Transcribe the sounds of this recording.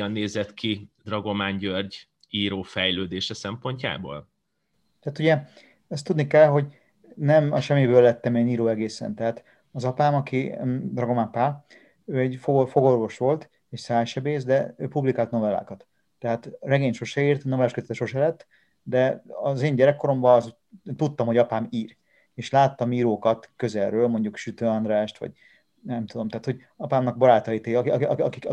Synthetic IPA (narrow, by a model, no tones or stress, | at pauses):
ɒnːeːzɛt̪kʰid̪rɒɡo̞maːɲɟørɟ | iːɾoːfɛjløːd̪eːʃɛsɛmpo̞ɲca̰ːbo̰ːl | t̪ɛat̪uɟɛ | ɛst̪ːud̪nikɛlɦo̞ɟ | nɛmɒʃɛmːibøːlːɛt̪ːɛmeːniːɾoːɛɡeːsɛ̰nt̪ɛɦaːt̪ | ɒzɒpaːmɒkid̪rɒɡo̞maːmpaːl | øːɛɟfoɡofo̞ɡo̞rvo̞ʃʋo̞lt̪ | eːʃsaːjʃɛbeːzd̪ɛøːpublikaːlt̪no̞vɛlːa̰ːkɒt̪ː | ɛɦaːt̪rɛɡeːɲʃo̞ʃɛiːrt̪no̞vɛlaːʃkøzɛt̪ɛʃoʃɛlɛt̪ː | d̪ɛɒzeːɲɟɛɾɛkːo̞ɾo̞mbɒz | t̪ut̪ːɒmhoɒpaːmiːr | eːʃlaːt̪ːɒmiːɾoːkɒt̪køzɛlrøːlmo̞ɲɟukʃyt̪øːɒnd̪raːʃt̪ʋɒ̰ɟ | nɛmt̪ud̪o̞mt̪ɛaːt̪ho̞ɟ | ɒpaːmnɒɡ̚bɒɾaːt̪ɒit̪eiɒɒɒ̰kik